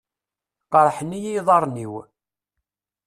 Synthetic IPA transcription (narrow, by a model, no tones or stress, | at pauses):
qɑɾˤħənːijijðˤɑɾˤniw